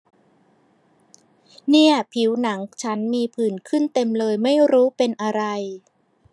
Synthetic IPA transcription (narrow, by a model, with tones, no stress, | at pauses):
ni˥˩ɐpʰi˩˦wna˩˦ŋt͡ɕʰa˦˥nmiː˧pʰɯː˨˩nkʰɯ˥˩nt̪e˧mlɤː˧jma˥˩jɾuː˦˥pe˧nʔa˧ɾa˧j